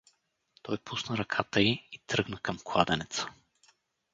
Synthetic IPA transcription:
t̪ɔjpusnəɾɐkʰat̪əiit̪ɾɤɡnəkɐmklˠad̪ɛnɛt̪sə̥

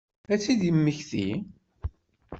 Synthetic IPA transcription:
æt͡sːiðjəmːəçθḭ

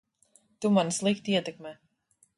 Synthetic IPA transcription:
t̪umanslˠikt̪iiɛt̪ɛkmɛː

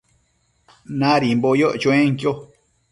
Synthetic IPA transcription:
nãɾimbojoʔt͡ʃõẽŋkjo

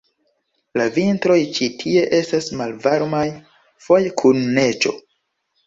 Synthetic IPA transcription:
lavintɾo̞jt͡ʃitʰie̞ʔe̞stasmalvaɾmaj | fo̞jkʰunːe̞t͡ʃo̞̰

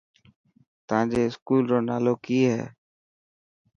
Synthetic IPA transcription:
t̪ãːd͡ʒeːɪskuːlɾoːnaːloːkiːɦɛ̰ː

